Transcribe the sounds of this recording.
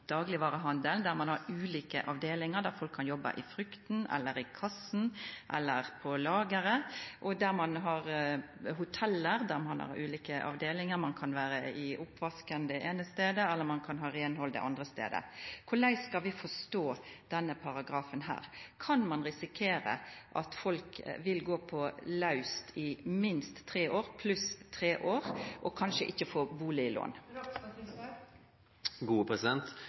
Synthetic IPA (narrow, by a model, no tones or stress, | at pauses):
d̪̥ɑːɡlɪʋɑːɾəɦɑnd̪əld̪æɾmɑnhɑɾʉːliːkəʔɑʋd̪eːlɪŋəɾd̪æɾfɔlkʰːɑnjɔbːɑ̰ʔɪfɾʏkt̪n̩ɛ̰lːəɾɪkʰɑsn̩ʔɛ̰lːəʁpʰɔlɑːɡəɾəʔɔd̪æɾmɑnɦɑɾ | ɦʊt̪ʰɛlːəɾd̪æɾmɑ̰nhɑ̰ɾʉːliːkəʔɑ̰ʋd̪eːlɪŋəɾmɑnkʰɑnʋæːɾəɪʔʊpːʋɑskənd̪əʔeːnəst̪eːd̪əɛlːəɾmɑnkʰɑnɦɑɾeːnhɔld̪ə̰ʔɑnd̪ʁəst̪ḛːd̪ə̰kʰʊlæɪskɑlʋɪfɔst̪oːd̪̥ɛnːəpʰɑʁɑɡɾɑːfənhæ̰ːʁkʰɑnmɑnʁɪsɪkʰeːɾə̰ʔɑ̰t̪fɔlkʋɪlɡoːpʰɔlɑʉst̪ʰɪmɪnst̪ʰːʁeːʔoːʁpʰlʉst̪ʰɾeːʔoːɾʔɔkʰɑnʃəʔɪçːəfoːbuːlɪɪlo̰ːn | ɡuːəpʰɾɛsɪd̪ɛnt̪